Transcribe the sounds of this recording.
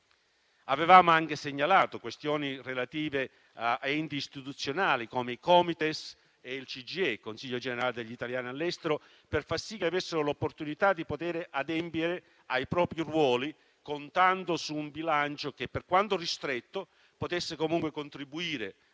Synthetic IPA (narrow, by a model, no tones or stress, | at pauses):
avevaːmoaŋk̟eseɲːalaːt̪okwest̪jɔːnirelat̪iːve | aɛnt̪iist̪it̪ut̪sːjonaːlikoːmeikɔmit̪es | eilt͡ʃid͡ʒiekːonsiʎːod͡ʒeneɾaːled̪eʎːit̪aljaːnialːɛst̪eɾo | perfarsikːeavesːeɾolopːort̪unit̪ad̪ːipot̪ɛːɾeʔad̪ɛmpjeɾe | ajpɾɔːpɾirwɔːli | kont̪ant̪osuːmbilant͡ʃok̟epːerkwant̪orist̪ɾet̪ːo | pot̪esːekomuŋkwekont̪ɾibuiːɾe